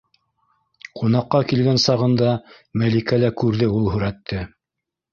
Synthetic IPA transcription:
qʰunɑqːɑkilɡænsɑʁɤ̆nd̪ɑ | mælikælækʉɾðɘulˠɦɵ̆ɾæt̪ːɘ

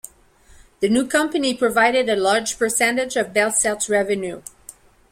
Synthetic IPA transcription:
ðɨnukʰʌ̃mpɨnipʰɹ̥ɨvaɪɾɨɾɨlɑɹd͡ʒ̥pʰə˞sɛ̃ntɨd͡ʒʌvbɛlˠsɛlˠtɹɛvɨ̃nju

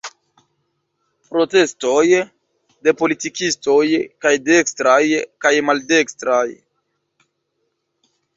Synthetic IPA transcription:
pɾo̞te̞sto̞j | de̞po̞litikisto̞jkajde̞kstɾajkajmalde̞kstɾaj

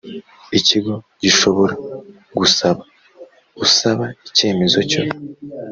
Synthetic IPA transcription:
iciɡo̞ | ɟiʃo̞βo̞ɾa | ɡusaβa | ɡ̥usaβaice̞ːme̞zo̞co

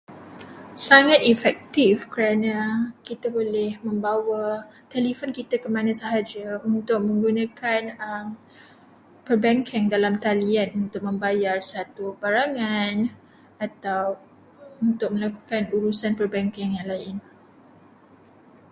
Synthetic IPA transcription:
saŋãt̪ifɛk̚t̪ifkəɾanãkit̪abolɛhmə̃mbawat̪ɛlifonkit̪akəmãnãsəɦad͡ʒaunt̪ʊk̚mə̃ŋɡunãkanəm | pərbɛŋkʰɛŋdalamt̪alianunt̪ʊk̚mə̃mbajarsat̪ubaɾaŋan | at̪aw | unt̪ʊk̚mə̃laku̥kanuɾusanpərbɛŋkɛŋjaŋlaɪn

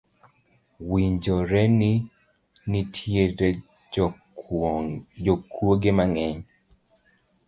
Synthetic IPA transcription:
wiɲd͡ʒɔɾɛni | nitʰjeɾe | d͡ʒɔkwoɡemaŋɛɲ

